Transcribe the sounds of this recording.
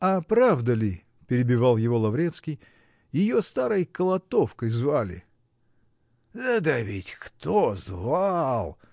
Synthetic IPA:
ɐpɾavd̪əlʲɪ | pʲɪɾʲɪbʲɪvalˠjɪvo̞lˠɐvɾʲet̪skʲɪj | jɪjost̪aɾəjkəlˠɐt̪o̞fkəjzvalʲɪ̰ | d̪əd̪əvʲɪtʲkt̪ozvalˠ

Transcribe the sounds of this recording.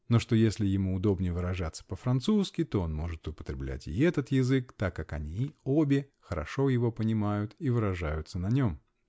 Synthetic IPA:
no̞ʂt̪o̞jesʲlʲɪjɪmuːd̪o̞bnʲɪvɨɾɐʐat̪sːə̥pəfɾɐnt̪suskʲɪt̪o̞o̞nmoʐɨt̪ʊpə̥t̪ɾʲɪblʲæ̰tʲɪ̰ɛt̪ət̪jɪzɨk̚t̪akːakɐnʲiobʲɪ | xəɾɐ̰ʂo̞jɪvo̞pənʲɪmajʊt̪ivɨɾɐʐajʊt̪sənɐnʲo̞m

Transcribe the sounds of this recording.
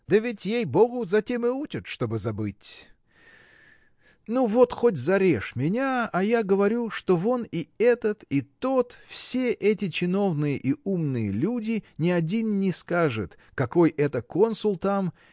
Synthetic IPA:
d̪əvʲɪtʲjejboɡʊzɐtʲemɪut͡ʃɪt̪ʂt̪o̞bɨzɐbɨtʲ | nuvo̞t̪xo̞tʲzɐɾʲeʂmʲɪnʲaɐjaɡəvɐɾʲuʂt̪o̞vo̞nɪɛt̪ət̪it̪o̞t̪fsʲe̞ʔɛtʲɪt͡ɕɪno̞vnɨjəʔiumnɨjə̰lʲudʲɪnʲɪɐdʲinnʲɪskaʐɨt̪ | kɐko̞jʔɛt̪əko̞nsʊlˠt̪am

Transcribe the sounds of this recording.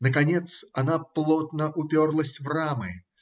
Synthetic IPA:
nəkɐnʲet̪sɐnaplˠot̪nəʔʊpʲorlˠəs̬ʲvramɨ

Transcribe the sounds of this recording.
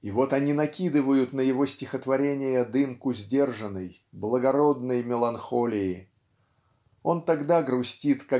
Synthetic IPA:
ɪvo̞t̪ɐnʲinɐkʲid̪ɨvəjʊt̪nəjɪvo̞sʲtʲɪxət̪vɐɾʲenʲɪjəd̪ɨmkʊzʲdʲe̞rʐənəj | blˠəɡɐɾo̞d̪nəjmʲɪlˠɐnxo̞lʲɪɪ | o̞nt̪ɐɡd̪aɡɾʊsʲtʲit̪ka

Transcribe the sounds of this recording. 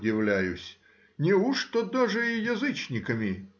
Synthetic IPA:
dʲɪʋlʲæjʊsʲ | nʲɪuʂt̪ɔd̪aʐɨijɐzɨt͡ɕnʲɪkɐmʲɪ

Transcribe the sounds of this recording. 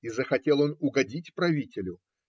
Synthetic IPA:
izəxɐtʲelˠo̞nʊɡɐdʲitʲpɾɐvʲitʲɪlʲʊ

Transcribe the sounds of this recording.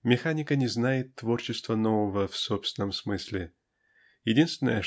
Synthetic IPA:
mʲɪxanʲɪkənʲɪznajɪt̪ːvo̞rt͡ɕɪst̪vənovəvəfsopst̪ʲɪnːəmsmɨsʲlʲɪ | jɪdʲinst̪ʲɪnəjə

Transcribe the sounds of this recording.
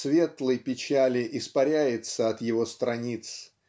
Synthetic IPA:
svʲe̞t̪lˠəjpʲɪt͡ɕælʲɪʔɪspɐɾʲæjɪt̪səɐt̪jɪvo̞st̪ɾɐnʲit̪s

